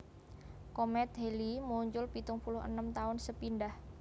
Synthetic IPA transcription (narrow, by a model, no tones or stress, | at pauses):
komɛt̪̚ɦelimuɲt͡ʃʊlpit̪ʊŋpulʊɦə̰nəmt̪aʊnsəpinɖah